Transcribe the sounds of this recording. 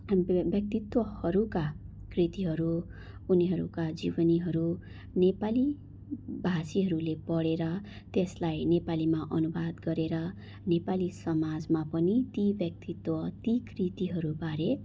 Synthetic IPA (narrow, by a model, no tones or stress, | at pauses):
bjʌk̚t̪it̪wʌhʌɾuka | krit̪iɦʌɾuː | niɦʌɾṵkad͡zibʌniɦʌɾu | nepali | bʱasiɦʌɾulepʌɽeɾʌ | t̪eslajnepalimaʔʌnubad̪ɡʌɾeɾʌ | nepalisʌmad͡zmapʌnit̪ibjʌk̚t̪it̪wʌt̪ikrit̪iɦʌɾubaɾe